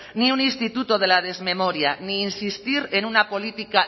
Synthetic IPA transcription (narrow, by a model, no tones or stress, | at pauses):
niunĩnst̪it̪ut̪oð̞e̞laðe̞zme̞mo̞ɾjaniːnsist̪iɾe̞nunapo̞lit̪ika